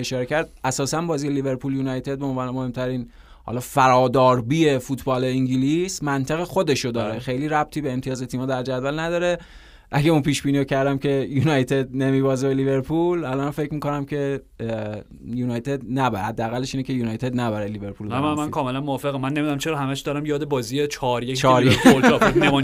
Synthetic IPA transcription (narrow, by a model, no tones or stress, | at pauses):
eʃɒːɾecʰæɾd̪̚ʔæsɒːsænbɒːzijelive̞ɾpʰuːljuːnɒjt̪ʰe̞d̪̚beonvɒːnemohe̞mt̪ʰæɾiːn | hɒ̰lɒːfæɾɒːd̪ɒːɾbiːefut̪ʰbɒːleiŋɟilismænt̪ʰæɣexo̞d̪e̞ʃod̪ɒːɾexe̞jliːɾæb̚t̪ʰiːbeːmt̪ʰijɒːzet̪ʰiːmɒːd̪æɾd͡ʒæd̪vælnæd̪ɒːɾe̞ | ʔæɟeunpʰiːʃbiːniːocʰæɾd̪æmcʰe̞junɒjt̪ʰe̞d̪̚nemiːbɒːzebeliβe̞ɾpʰulælɒːnfecmiːko̞næmcʰe̞ | juːnɒjt̪ʰed̪næbæhæd̪ːææɣælːeʃiːnecʰejuːnɒːjt̪ʰe̞d̪næbæɾɛjlibe̞ɾpʰuːlæmæmænkʰɒːmelænmoɒːfeɣemænːemid̪æmt͡ʃʰeɾɒːɦæmæʃd̪ɒːɾæmjɒːd̪ebɒːziet͡ʃʰɒːɾjet͡ʃʰɒɾje | em